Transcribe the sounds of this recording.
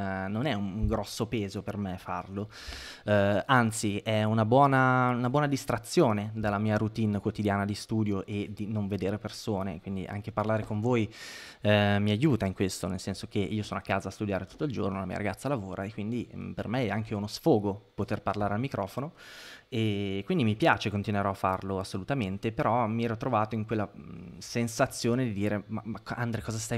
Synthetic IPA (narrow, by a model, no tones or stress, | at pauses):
nonɛuŋuŋɡɾɔsːopeːzopermefa̰rlo | ant̪siɛunabwɔːnaunabwɔːnad̪ist̪ɾat̪sːjoːned̪alːamiːaɾut̪inkwot̪id̪jaːnad̪ist̪uːd̪joʔed̪inoɱved̪eːɾepersoːnḛkwind̪ḭʔa̰ŋk̟eparlaːɾekoɱvoːj | miajuːt̪aiŋkwest̪onelsɛnsok̟eʔiːosoːnoakːaːzaːst̪ud̪jaːɾet̪u̥t̪ːoild͡ʒornolamḭːa̰ʔaɡat̪sːalavoːɾʔaekːwind̪ipermeɛaŋkeɛunosfoːɡopot̪erparlaːɾealmikɾʔɔːfonoekwind̪imipjaːt͡ʃekont̪inweɾɔafːarloasːolut̪ament̪epeɾɔmiɛːɾɔt̪ːɾovaːt̪oiŋkwelːasensat̪sːjoːned̪id̪iːɾemamaka̰nd̪ɾekɔːzast̪a